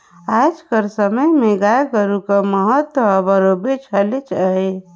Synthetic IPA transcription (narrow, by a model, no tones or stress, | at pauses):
ad͡ʒkəɾsəməjmeɡaeɡəɾukəməɦət̪wəəbəɾobet͡ʃʰəlet͡ʃʰəe